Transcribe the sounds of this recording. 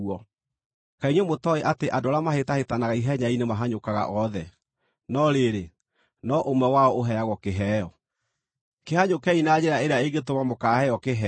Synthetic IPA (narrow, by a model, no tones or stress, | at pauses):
ɔ | kaiɲwɛmotɔeʔateʔadoɾamahetahetanaɣaiɦɛɲainemaɦaɲokaɣa̰ʔɔðɛ | nɔɾeɾe | nɔʔomwɛwaɔoɦɛɾaɣɔkeɦɛːɔ | kehaɲokɛinad͡ʑeɾaeɾeaeɡetomamokaːhɛjɔkeɦɛ